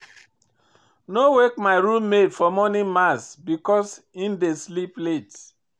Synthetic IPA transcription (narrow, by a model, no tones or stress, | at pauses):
nowek̚maɪɾummedfɔmɔnimasbikɔs | indesliplet